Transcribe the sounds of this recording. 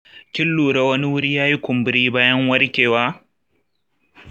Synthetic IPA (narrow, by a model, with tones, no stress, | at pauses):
kʲɪ˦lːuː˨ɽa˦wɐ˦ni˦wʊ˦ɾi˦jaː˦ji˦kʷʊ˨mbʊ˦ɾiː˦baː˦jɐ˦ŋwɐ˦ɽkʲeː˨waː˦